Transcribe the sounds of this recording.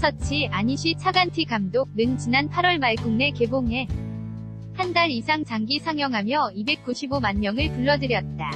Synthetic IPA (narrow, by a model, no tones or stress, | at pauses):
sʰʌt͡ɕʰiaɲiɕʰit͡ɕʰaɡantʰikamdok̚nɯnt͡ɕinanpʰaɾwʌɭmaɭkuŋne̞ke̞boŋe̞ | handaɾisʰaŋt͡ɕaŋɡisʰaŋjʌŋɦamjʌibe̞k̚k͈uɕʰibomanmjʌŋɯɭpuɭːʌdɯɾjʌt̚t͈a